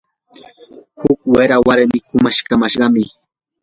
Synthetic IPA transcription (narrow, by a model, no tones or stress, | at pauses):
hʊkweɾawaɾmɪkʊmaʃkamaʃɢɑmɪ